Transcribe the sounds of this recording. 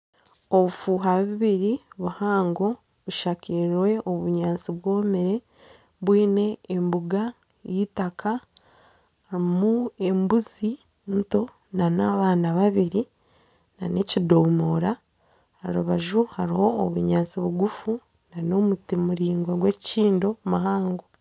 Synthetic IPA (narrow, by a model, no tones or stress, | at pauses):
o̞βufuɦaβiβiɾiβuhaːŋɡo̞ | βuʃakiɾwe̞oβuɲaːnt͡siβwo̞ːmiɾe̞ | βwiːne̞ːmbuɡa | jitaka | haɾimue̞mbuzi | nto̞ | nanaβaːnaβaβiɾi | nane̞cidomoːɾa | a̰ɾuβaʒuhaɾiho̞ːβuɲaːnt͡siβuɡufu | nano̞mutimuɾiːŋɡwaɡwe̞ciciːndo̞maɦaːŋɡo